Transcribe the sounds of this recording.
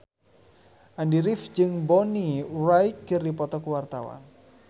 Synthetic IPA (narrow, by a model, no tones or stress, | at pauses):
ʔandiɾɪfd͡ʒɨŋbɔnirajkːɨrdipɔt̪ɔkəwart̪awa̰n